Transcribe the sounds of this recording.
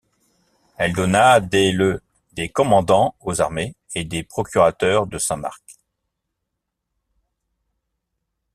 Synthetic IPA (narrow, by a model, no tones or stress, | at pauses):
ɛld̪ɔnad̪elə | d̪ekɔmɑ̃d̪ɑ̃ozaʁme | ed̪epχɔkʲyʁat̪œʁd̪əsɛ̃ma̰ʁk